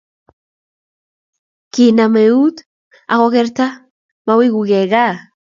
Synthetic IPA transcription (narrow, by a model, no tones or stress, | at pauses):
kinameut̪ | a̰ɣoɣeɾt̪a | mawiɣuɣeɣa